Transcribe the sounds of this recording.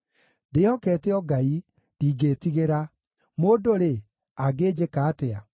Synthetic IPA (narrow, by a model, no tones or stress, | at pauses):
ndeɔkɛːteɔɡai | niːɡeːtiɣeɾa | moːdoɾe | aɡeːd͡ʑekaːtea